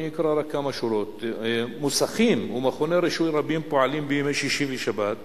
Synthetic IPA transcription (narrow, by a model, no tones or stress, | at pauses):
jikɾaɾakːamaʃuɾot̪musaχimumaχoneɾeʃujɾabimpoʕalimbejomeʃiʃimbeʃabat̪